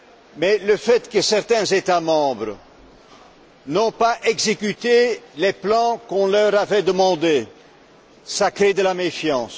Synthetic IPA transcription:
mɛləfɛt̪kəsɛʁt̪ɛ̃zet̪amɑ̃bʁə | nɔ̃paʔɛɡzekʲyt̪eleplɑ̃kɔ̃lœʁavɛd̪əmɑ̃d̪e | sakχed̪əlamefjɑ̃s

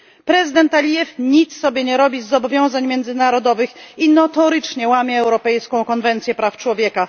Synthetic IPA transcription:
pɾɛzɨd̪ɛnt̪alʲijɛfɲit̪sːɔbʲjɛɲɛɾɔbʲizːɔbɔvʲjɔ̃w̃zaɲmʲjɛnd̪zɘnaɾɔd̪ɔvɘxinɔt̪ɔɾɘt͡ʂɲɛwamʲjɛːwɾɔpɛjskɔ̃w̃kɔnvɛnt̪sʲjɛpɾaft͡ʂwɔvʲjɛka

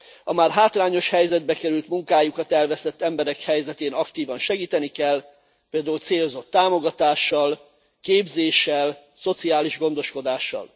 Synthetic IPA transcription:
ɒmaːrɦaːt̪laːɲo̞ʃhɛjzɛd̪̚bɛkɛɾylt̪muŋkaːjukɒt̪ɛlvɛst̪ɛt̪ːɛmbɛɾɛkhɛjzɛt̪eːnɒkt̪iːvɒnʃɛɡiːt̪ɛnikɛl | peːld̪aːult̪seːlozo̞t̪ːaːmo̞ɡɒt̪aːʃːɒl | keːbzeːʃːɛl | so̞t̪siaːliʒɡo̞nd̪o̞ʃko̞d̪aːʃːɒ̰l

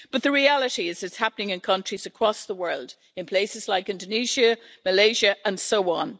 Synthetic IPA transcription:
b̥ʌt̪̚ðəɹialəɾiɪz̥ɨtshapənɪ̃ŋɨ̃nkʰʌ̃nt͡ʃɹ̥izəkʰɹ̥ɔsðəwɜ˞lˠd | ɨ̃npʰl̥eɪsɨzlaɪkɪ̃ndəniʒəməleɪʒəʔə̃nsoʊɔ̃n

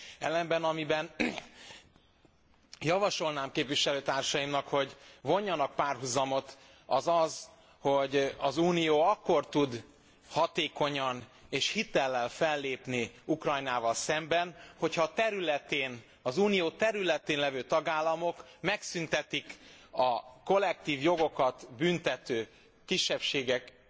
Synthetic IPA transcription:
ɛ̰lːɛmbɛnɒmibɛn | jɒvɒʃo̞lnaːmkeːpʋiʃɛløːt̪aːrʃɒjimnɒkho̞ɟvo̞ɲːɒnɒk̚paːrɦuzɒmo̞t̪ | ɒzɒz | ho̞ɟɒzuːnijoːɒkːo̞rt̪ud̪ | hɒt̪eːko̞ɲɒneːʃhit̪ɛlːɛnfɛlːeːpniukrɒjnaːvɒlsɛmbɛnho̞cʰhɒːt̪ɛɾylɛt̪eːn | ɒzuːnijoːt̪ɛɾylɛt̪eːnlɛvøːt̪ɒɡaːlːɒmo̞kmɛksynt̪ɛt̪ikɒko̞lːɛk̚t̪iːvjo̞ɡo̞kɒt̪bynt̪ɛt̪øː | kiʃːɛpʃeːɡɛk

